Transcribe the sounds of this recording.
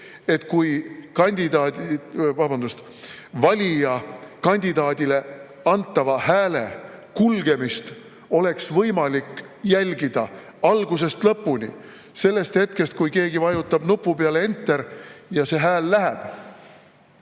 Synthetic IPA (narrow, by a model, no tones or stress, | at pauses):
e̞t̪kujkɑnʲd̪id̪ɑːvɑbɑnd̪ust̪ | vɑlʲijɑkɑnʲd̪id̪ɑːd̪̥ʲile̞ | ɑnt̪ːˑɑvɑhæːle̞kulɡe̞mist̪ | o̞le̞ksvɤjmɑlikː | jælʲɡid̪̥ɑ | ɑlɡ̥us̬e̞st̪lɤpːunʲḭ | se̞lːe̞st̪he̞t̪̚ke̞st̪̚kujke̞ːɡivɑjut̪ːˑɑb̥nupːˑupeɑleent̪ːˑeɾjɑse̞ɦæːlːæɦeb̥